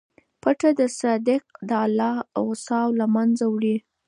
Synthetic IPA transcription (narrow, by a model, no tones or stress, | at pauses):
paʈad̪əsɑd̪ɪq̚d̪əalɑasɑwlamanzawɽi